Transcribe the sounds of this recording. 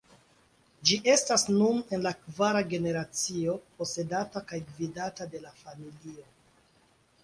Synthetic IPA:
d͡ʒiʔe̞stasnune̞nlakvaɾaɡe̞ne̞ɾat͡sio̞po̞se̞datakajɡvidatade̞lafamilio̞

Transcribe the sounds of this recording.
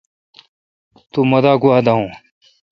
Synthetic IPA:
t̪umɐd̪aːɡuaːd̪aɦũː

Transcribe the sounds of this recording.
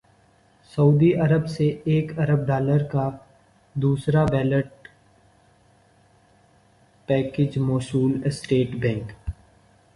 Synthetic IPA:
sɐuːd̪iʔɐɾəbseeːkɐɾəb̚ɖaːləɾka | d̪uːsɾabɛːləʈ̚ | pɛːkɪd͡ʒmoːsuːlɪsʈeːʈbɛ̃ːŋk

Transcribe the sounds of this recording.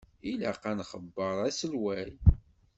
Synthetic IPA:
ilaqænχəbːəɾˤæsəlwæj

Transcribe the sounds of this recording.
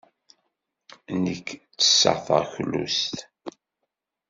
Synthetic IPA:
nəkːt͡sːə̥sːə̰ʁθə̰ʁçlːṵst̪

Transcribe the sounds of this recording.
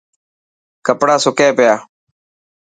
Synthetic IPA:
kəpɽaːsʊkẽːpɪjaː

